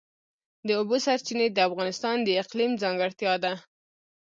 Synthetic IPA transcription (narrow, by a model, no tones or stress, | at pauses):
d̪əobosaɾt͡ʃined̪əafɣɑnɪst̪ɑnd̪əɪqlimzɑŋɡɪɽt̪jɑd̪a